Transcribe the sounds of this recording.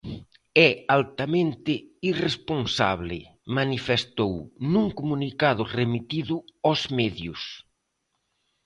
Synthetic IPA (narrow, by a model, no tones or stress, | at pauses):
ɛalt̪amẽnt̪ɪiresponsa̰βlɪ̰ | manifest̪ownuŋkomunikaðʊremit̪iðʊɔzmɛðjʊs